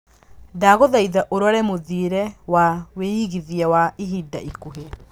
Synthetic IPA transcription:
daːɣoðaiðaʔoɾwaɾɛmoðiɾɛwaweiɣiðiawaiɦida̰ʔikoɦe

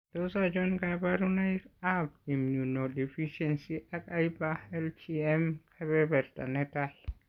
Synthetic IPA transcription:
dɔsad͡ʒɔnɡabaɾunajkap̚imjunɔdɛfiʃɛnsiʔakajbaɛlt͡ʃiɛmkʰabɛbɛɾta̰nɛtah

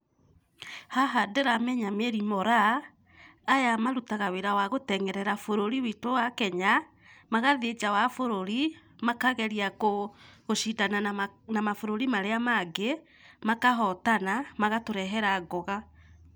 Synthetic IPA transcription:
haɦadeɾamɛɲameɾimɔɾaː | jamaɾutaɣaweɾawaɣotɛŋɛɾɛɾafoɾoɾiwitowakɛɲa | maɣaðed͡ʒawafoɾoɾi | makaɣɛɾiakoɣoʃitananamafoɾoɾimaɾeamaɡe | makaɦɔtanamaɣatoɾɛɦɛɾaɡɔɣa

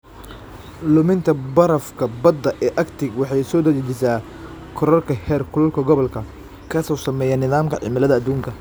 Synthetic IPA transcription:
lʊmɪnt̪ʰɐbɐɾɐfkʰɐbɐd̪ːɐʔɛːʔɐkt̪ʰɪɡwɑħɑjsɔːd̪ɐdɛt͡ʃɪsaː | kʰɔɾɔrkʰɐhɛːrkʰʊlɐlkʰɐɡɔβɐlkʰɐ | kʰɐsɔsɐmɛːjɐnɪðaːmkʰɐʕɪ̰mɪlɐðɐːd̪uːŋkʰɐ

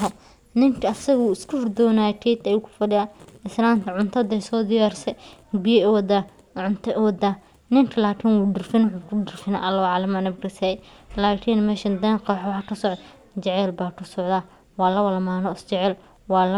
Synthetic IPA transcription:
ɦɔ | nɪŋkʰɐɐsɐɣuːɪskʰuːrd̪ɔːnaːjtʰɛːt̪ɐjukʰʊ̥fɐɖɪjaɪslaːmt̪ʰɐʕʊnt̪ʰɐd̪ɛsɔːd̪ɪjaːrsɛbɪjɐɛwɐd̪a | ʕʊnt̪ʰɐʔwɐd̪a | nɪŋkʰɐlaːkʰɪːnwuːɖɪrfɪnwħʊkʰʊɖɪrfɪna̰ʔɐlːɐwɔʕalɐmanɐbkɐsɛlaːkʰiːnmɛːʃɐnd̪ɐːqɑwħwhɐkɐsɔʕd̪ | d͡ʒɛʕɛlbaːkʰʊsɔʕd̪aː | wɑːlɐwɐlɐmaːnɔɪst͡ʃɛʕɛl | wɑːlɐ

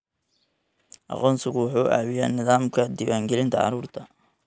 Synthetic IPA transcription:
ʔɑ̰qɔːnsɪɣʊħuːʔa̰ːwɪjaːnɪðaːmkʰɐd̪ɪwaːŋɡɛlɪnt̪ʰɐʕɑ̰ɾuːrt̪ʰɐ

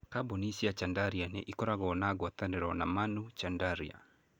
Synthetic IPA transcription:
kabonisiat͡ʃandaɾianɛ̰ʔikɔɾaɣɔnaɣɔt̪andɛɾɔnamanut͡ʃandaɾia̰

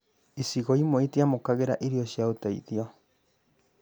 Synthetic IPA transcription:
isiɣoimoitiamokaɣeɾaʔiɾioɕiaotaḭðiɔ

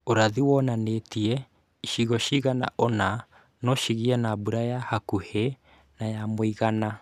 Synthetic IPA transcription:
oɾaðiwɔnanetiɛ | iʃiɣɔʃiːɣana̰ʔona | nɔʃiɣiɛnabuɾajahakuhe | najamoiɣana

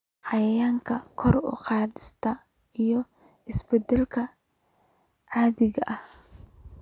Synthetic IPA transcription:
ʕɑjɐjaːŋkʰɐkʰɔrʊ̰qɑːðɪst̪ʰɐ | ijɔɪsbɛd̪ɛlkʰɐ | ʕɑːðɪɣɐʔɐh

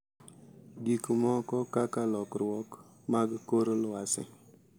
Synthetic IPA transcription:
ɡikmɔkɔkakalɔkɾɔk | maɡkoɾlʊasɪ̰

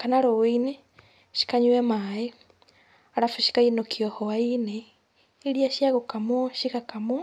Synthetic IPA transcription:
kanaɾowine | ʃi̥kaɲwemae | aɾafuʃi̥kainokʰiɔhoaine | iɾiaʃiaɣokamwoʃikakamo

